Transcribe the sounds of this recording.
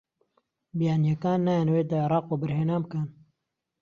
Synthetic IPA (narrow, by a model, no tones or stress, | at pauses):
bijaːnijɐkaːnːaːjaːnweːt̪aʕeɾˤɑːqwobəɾheːnaːbkən